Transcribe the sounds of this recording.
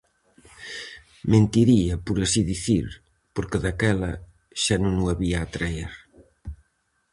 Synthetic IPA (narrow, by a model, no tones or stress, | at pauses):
mẽnt̪iɾiɐpuɾasiðiθiɾ | poɾkeðakɛlɐ | ʃanõŋuaβiaːt̪ɾaeɾ